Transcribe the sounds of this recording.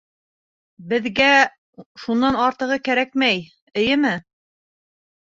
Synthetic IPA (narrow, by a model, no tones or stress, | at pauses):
bɘ̆ðɡæ | ʃunːɑnɑɾt̪ɤ̆ʁɤkæɾæk̚mæj | ɘ̆jɘmɘ